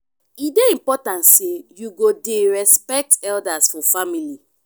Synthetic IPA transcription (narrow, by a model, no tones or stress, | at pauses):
ideĩmpɔtãntsejuɡodeɹɛspɛk̚tɛldasfɔfamili